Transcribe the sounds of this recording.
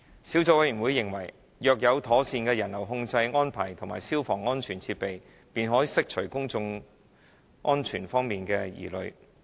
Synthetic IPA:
siː˨˥wt͡sɔ˧wɐ˧jɥyː˨˩wu˨˧jːɪ˨˩ŋwɐ˨˩j | jœː˨k̚jɐ˨˧wt̪ʰɔː˨˥siː˧nkɛː˧jɐ˨˩nlɐ˨˩wɦʊ˧ŋt͡sɐ˧jŋɔː˥npʰaː˨˩jt̪ʰʊ˨˩ma̰ː˨˩jsiː˥wfɔː˨˩ŋɔː˥nt͡ʃʰyː˨˩nt͡sʰiː˧t̚pe˨j | piː˨nɦɔː˨˥jiː˨˧sɪ˥k̚t͡ʃʰɵ˨˩kʊ˥ŋt͡sʊ˧ŋ | ŋʔɔː˥nt͡ʃʰyː˨˩nfɔː˥ŋmiː˨nkɛː˧jḭː˨˩lɵ̰˨˧ɥ

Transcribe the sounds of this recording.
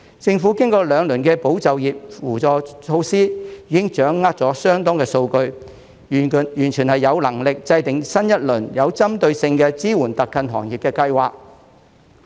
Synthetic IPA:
t͡sɪ˧ŋfu˨˥kɪ˥ŋkɔː˧lœː˨˧ŋlɵ˨˩nkɛː˧po˨˥wt͡sɐ˨wjiː˨p̚fuː˨˩t͡sɔː˨˩t͡ʃʰo˧wsiː˥jiː˨˧kɪ˥ŋt͡ʃœː˨˥ŋːaː˥t̚t͡sɔː˨˥sœː˥ŋt̪ɔː˥ŋkɛː˧so˧wkɵ˧ɥ | jyː˨˩nt͡ʃʰyː˨˩nhɐ˨jːɐ˨˧wlɐ˨˩ŋlɪ˨k̚t͡sɐ˧jt̪ɪ˨ŋsɐ˥njɐ˥t̚lɵ˨˩njɐ˨˧wt͡sɐ˥mt̪ɵ˧ɥsɪ˧ŋkɛː˧t͡siː˥wuː˨˩nt̪ɐ˨kːɐ˧nɦɔ̰ː˨˩ŋjiː˨p̚kɛː˧kɐ˧jwaː˨k̚

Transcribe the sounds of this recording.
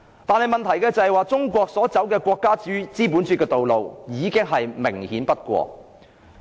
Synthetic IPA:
t̪aː˨˧nhɐ˨jmɐ˨nt̪ʰɐ˨˩jkɛː˧t͡sɐ˨hjwaː˨˧t͡sʊ˥ŋkʷɔː˧k̚sɔː˨˥t͡sɐ˨˥wkɛː˧kʷɔː˧kːaː˥t͡syː˨˥t͡siː˥puː˨˥nt͡syː˧˥tkɛː˧t̪o˨wlo˨wjiː˨˥kɪ˥ŋɦɐ˨jmɪ˨˩ŋhiː˨˥npɐ˥t̚kʷɔ̰ː˧k̚

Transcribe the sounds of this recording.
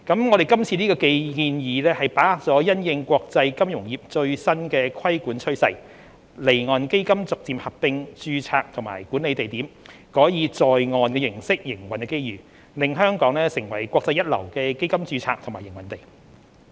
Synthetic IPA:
kɐ˨˥mŋɔː˨˧ɾe˨jkɐ˥mt͡sʰiː˧niː˥kɔː˧ke˧jkiː˧njiː˨˧lɛː˥hɐ˨jpaː˨˥haː˨k̚t͡sɔː˨˥jɐ˥njɪ˧ŋkʷɔː˧k̚t͡sɐ˧jkɐ˥mjʊ˨˩ŋjiː˨p̚t͡ʃɵ˧ɥsɐ˥nkɛː˧kʰɐ˥jkuː˨˥nt͡ʃʰɵ˥ɥsɐ̰˧j | le˨˩jŋɔː˨˩nke˥jkɐ˥mt͡sʊ˨k̚t͡siː˨mhɐ˨p̚pɪ˧ŋt͡ʃyː˧t͡sʰaː˧k̚t̪ʰʊ˨˩ŋma̰ː˨˩jkuː˨˥ne˨˧jt̪e˨jt̪iː˨˥m | kɔː˨˥jiː˨˧t͡sɔː˨jŋɔː˨nkɛː˧jɪ˨˩ŋsɪ˥k̚jɪ˨˩ŋwɐ˨˩nkɛː˧ke˥jjyː˨ | lɪ˨ŋɦœː˥ŋkɔː˨˥ŋlɛː˥sɪ˨˩ŋwɐ˨˩jkʷwʷɔː˧k̚t͡sɐ˧jːɐ˥t̚lɐ̰˨˩wkɛː˧ke˥jkɐ˥mt͡ʃyː˧t͡sʰaː˧˥k̚t̪ʰʊ˨˩maː˨˩jɪ˨˩ŋwɐ˨nt̪e˨j

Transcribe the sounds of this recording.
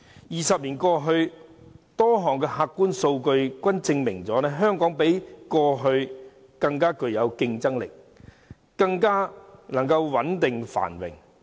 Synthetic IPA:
jiː˨˩sɐ˨p̚liː˨˩nkɔː˧ɦɵ˧ɥ | t̪ɔː˥ɦɔː˨˩ŋkɛː˧haː˧kːuː˥nso˧wkɵ˧ɥkʷɐ˥nt͡sɪ˧ŋmɪ˨˩ŋt͡sɔː˨˥nɛː˥ɦœː˥ŋkɔː˨˥ŋpe˨˥jkɔː˧ɦɵ˧ɥ | kɐ˧ŋkaː˥kɵ˧ɥjɐ˨˧wkɪ˧ŋt͡sɐ˥ŋlɪ˨k̚ | kɐ˧ŋkaː˥nɐ˨˩ŋkɐ˧wwɐ˨˥nt̪ɪ˨ŋfa̰ː˨˩nwɪ̰˨˩ŋ

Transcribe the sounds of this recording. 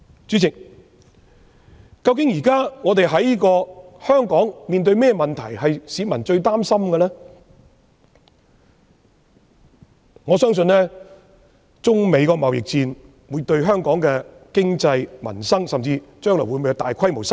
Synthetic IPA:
t͡sy˨˥t͡sʰɪ˨k̚ | kɐ˧wkɪ˨˥ŋjiː˨˩kaː˥ŋɔː˨˧t̪̬e˨jɦɐ˨˥jiː˥kɔː˧hœː˥ŋkɔː˨˥ŋmiː˨nt̪̬ɵ˧ɥmɛː˥mɐ˨nt̪ʰɐ˨˩jɦɐ˨jsiː˨˥mɐ˨˩nt͡ʃɵ˧ɥt̪aː˥msɐ˥mɡɛ˧lɛː˥ | ŋɔː˨˧sœː˥ŋs̬ɵ˧nlɛː˥ | t͡sʊ˥ŋme˨˧jkɔː˧mɐ˨wjɪ̰˨k̚t͡siː˧n | wuː˨˧˥t̪ɵ˧ɥɦœː˥ŋkɔː˨˥ŋkɛː˧kɪ˥ŋt͡sɐ˧jmɐ̰˨˩nsɐ˥ŋsɐ˨mt͡siː˧t͡ʃœː˥ŋlɔ̰˨˩wu˨˧jmo˨˧jwt̪aː˨˩jkʰɐ˥jmo˨˩wsɐ˥

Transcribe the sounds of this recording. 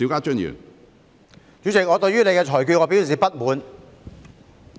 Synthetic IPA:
i˨˥kaː˥t͡ʃɵ˥njy̰ː˨˩n | t͡ʃyː˨˥t͡sɪ˨k̚ŋɔː˨˧t̪ɵ˧ɥjyː˥ne˨˧jkɛː˧t͡ʃʰɔː˨˩jky˧ŋɔː˨˧piː˥ws̬iː˨pɐ˥t̚muː˨˧n

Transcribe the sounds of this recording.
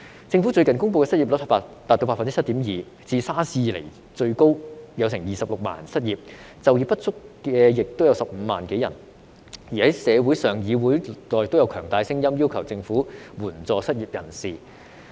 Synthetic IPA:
t͡sɪ˧ŋfu˨˥t͡sɵ˧ɥkɐ˨nkʊ˥ŋp̬o˧kɛ˧sɐ˥t̚i˨p̚lɔ˨˥phpa˧t̪aː˨t̪̚ːo˧wpaː˧fɐ˨nt͡si˥t͡sʰt̪iː˨˥mjiː˨ | t͡siː˧saː˥siː˧lḛ˨˩j | t͡ʃɵ˧ɥko˥wjɐ˨˧wsɪ˨˩ŋjiː˨˩sɐ˨p̚lʊ˨k̚ma̰ː˨˩nsɐ˥t̚jiː˨˩p̚ | t͡sɐ˨wjiː˨˧pɐ˥t̚t͡sʊ˥kːɛː˧jɪ˨k̚t̪o˥wjɐ˧wsɐ˨p̚m̩ː˨˧ma̰ː˨˩nke˨˥jɐ̰˨˩n | jiː˨˩hɐ˨˦˥jsɛː˨˧wuː˨˥jsœː˨ŋjiː˨˧wuː˨˥jlɔː˨˩jt̪o˥wjɐ˧wkʰœː˨˩ŋt̪aː˨˧jsɪ˥ŋjɐ˥mjiː˥wkʰɐ˨˩wt͡sɪ˧ŋfuː˨˥wuː˨˩nt͡sɔː˨˧sɐ˥t̚jiː˨p̚jɐ˨˩nsiː˨

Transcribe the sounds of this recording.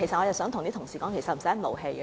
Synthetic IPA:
e˨˩jsɐ˨t̚ɔː˨˧jɐ˨˩wsœː˨˥ŋt̪ʊ˨˩ŋt̪iː˥t̪ʰʊ˨˩ŋsiː˨˩kɔː˨˥ŋkʰe˨˩jsɐ˨˩m̩˨˩sɛ˥˩mo̰˨˩wɦe˧j

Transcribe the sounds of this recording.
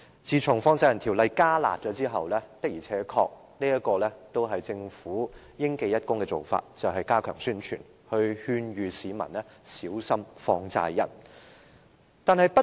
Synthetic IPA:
t͡siː˨t͡sʰʊ˨˩ŋfɔː˧ŋt͡saː˧jɐ˨˩nt̪ʰi˨˩wlɐ˨˧jkaː˥la̰ː˨t̚t͡sɔː˨˥t͡siː˥ɦɐ˨wlɛː˥t̪ɐ˥k̚jiː˨˩t͡sʰɛː˨˥kʰɔ̰ː˧k̚ | niː˥jɐ˥kɔː˧lɛː˥t̪o˥wɦɐ˨jt͡sɪ˧ŋfuː˨˥ | jɪ˥ŋke˧jɐ˥t̚kʊ˥ŋkɛ˧t͡so˨wfa̰ː˧t̚t͡sɐ˨wɦɐ˨jkaː˥kʰœː˨˩ŋsyː˥nt͡ʃʰy̰ː˨˩n | hɵ˧ɥhyː˧nɥyː˨siː˨˥mɐ̰˨˩nlɛː˥siː˨˥wsɐ˥mfɔː˧ŋt͡sa̰ː˧jːɐ̰˨˩n | t̪aː˨nɦɐ˨˧jpɐ˥

